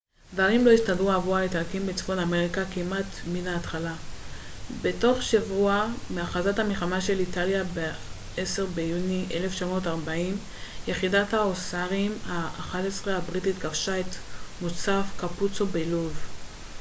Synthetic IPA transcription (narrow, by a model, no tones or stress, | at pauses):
dvaʁimlo̞iʃtadʁuavualetakimbet͡sfo̞name̞ʁikakimʔatminaːtχala | be̞to̞χʃavuameaχazathameχamaʃe̞litaljabe | ese̞ʁbe̞juniʔele̞ft͡ʃamo̞taʁbaim | je̞χidathaosaʁimhaːχatesʁeabʁititɡavʃae̞t̪mot͡safkaput͡so̞beluv